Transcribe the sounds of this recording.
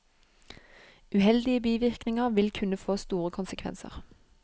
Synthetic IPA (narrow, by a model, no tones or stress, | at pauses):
ʉːhɛld̪ɪəbiːʋɪʁknɪŋəʁʋɪlkʰʉnəfoːst̪uːʁəkʰʊnsəkʰʋɛ̰nsə̰ʁ